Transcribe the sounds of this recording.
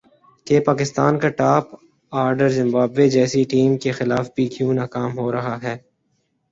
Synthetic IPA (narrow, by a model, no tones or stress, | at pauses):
kepaːkɪst̪aːnkaʈaːp | aːɾɖəɾzɪ̃mbaːbːed͡ʒɛːsiʈiːmkexɪlaːfbʱiːkjũːnaːkaːmɦoːɾɐɦaɦɛː